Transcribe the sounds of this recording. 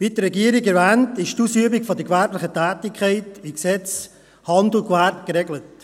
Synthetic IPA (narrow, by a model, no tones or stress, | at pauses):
vitəɾɛɡiːəɾɪɡɛɾvæːntɪʃtuːsyəbɪkfɔdəkvæɾplɪχətæːtɪkʰχɛɪtɪksɛt͡s | hɑndlʊkvæɾtkɾɛɡlət